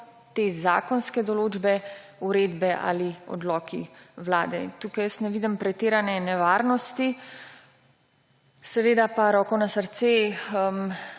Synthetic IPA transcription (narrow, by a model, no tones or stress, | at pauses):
t̪eza̰ːkɔnskɛd̪ɔloːd͡ʒbɛuɾeːd̪bɛʔa̰liɔ̰d̪lɔːkʰiwlaːd̪ɛnt̪uːkajəsnɛʋiːd̪əmpɾɛt̪eːɾanɛnɛʋaːɾnɔst̪i | sɛʋeːd̪apaɾɔːkɔnasəɾt̪seəm